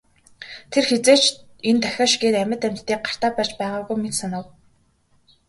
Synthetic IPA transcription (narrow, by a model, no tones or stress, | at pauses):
t̪ʰerxet͡seːt͡ɕ | ent̪ʰœxʲaːʃɡeːt̪æmʲə̆t̪æm̥ʲt̪ːiːk̚ɢar̥t̪aːpæːt͡ɕpæːʁaːɣujmet̪sanə̆w